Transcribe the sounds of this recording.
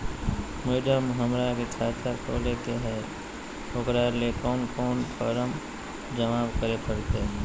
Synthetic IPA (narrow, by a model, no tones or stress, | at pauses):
meːɖəmɦəmɾakitʰaːt̪ʰakʰo̰ːlekeɦɛ | oːkɾalekɔːnkɔːnpʰɔːɾəm | d͡ʒəmaːbkəɾepəɽt̪e